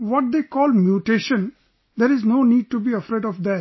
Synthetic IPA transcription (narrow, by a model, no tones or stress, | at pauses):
ʋɔʈ̚d̪eːkɔːlmjuʈeːʃə̃n | d̪eɾɪznoːniːɖ̚ʈubiːəfɾeːɖɔfd̪ɛ